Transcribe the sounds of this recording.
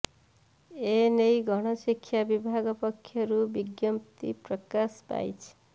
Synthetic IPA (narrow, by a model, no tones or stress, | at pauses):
enejɡʱɔɽ̃ɔsikʰːjabibʱaɡɔpɔkʰːjɔɾubiɡjɔmt̪ḭpɾɔkaspa̰jt͡ʃʰi̥